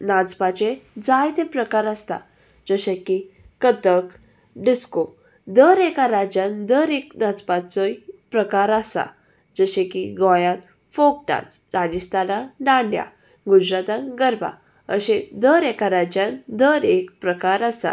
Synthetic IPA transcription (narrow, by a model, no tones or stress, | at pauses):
nad͡zpat͡ɕẽd͡zajt̪ʰepɾəkaɾəst̪a̰ | d͡zəɕẽki | kət̪ək | ɖisko | d̪əɾekaɾad͡ʑjãnd̪əɾek̚nad͡zpat͡səjpɾəkaɾasa̰ | d͡zəɕẽkiɡɔjãt̪ | fok̚ʈã̰t͡sɾad͡ʑist̪anãɖãɳɖja̰ | ɡud͡zɾat̪ãɡəɾbʱa̰ | əɕẽd̪əɾekaɾad͡ʑjãnd̪əɾekpɾəkaɾəsa̰